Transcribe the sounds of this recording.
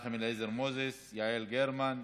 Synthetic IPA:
χemilezeɾmozesjaʕelɡeɾman

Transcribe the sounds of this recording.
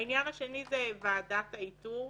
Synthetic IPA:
injanaʃenizevaːdataitu

